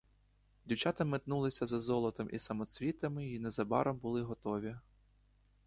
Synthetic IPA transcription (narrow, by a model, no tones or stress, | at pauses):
dʲiwt͡ʃɑt̪ɐmɪt̪nulˠɪsʲɐzɐzɔlˠɔt̪ɔmʔisɐmɔsʲʋʲit̪ɐmɪinezɐbɑ̰ɾɔmbʊlˠɪɦɔt̪ɔʋʲi